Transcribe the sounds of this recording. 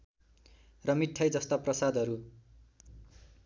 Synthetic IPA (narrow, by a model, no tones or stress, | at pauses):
rʌmiʈʰːʌjd͡zʌst̪aprʌsad̪ʱʌɾu